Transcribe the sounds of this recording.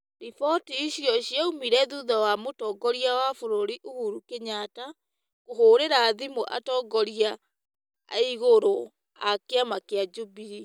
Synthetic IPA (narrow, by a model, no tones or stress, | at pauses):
ɾifɔtiːɕjɔɕjaumiɾɛðuðawamotɔːɡɔɾiawafoɾoɾiʔuhuɾukeɲata | koɦoːɾeɾaːðimoʔa̰tɔːɡɔɾia̰ː | iɣoɾo | akeamakead͡ʒubiɾi